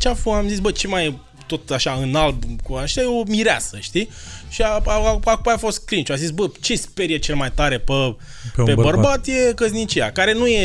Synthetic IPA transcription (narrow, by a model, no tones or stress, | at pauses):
t͡ʃafoamzisbət͡ʃemaj | t̪o̞t̪aʃaɨnalbkuaʃeajeomiɾea̰səʃt̪iʃiaaakupajafo̞st̪̚kɾinʃuazisbət͡ʃespe̞ɾjet͡ʃe̞lmajt̪aɾe̞pə | ppebərbat̪je̞kəznit͡ʃijakaɾe̞nuje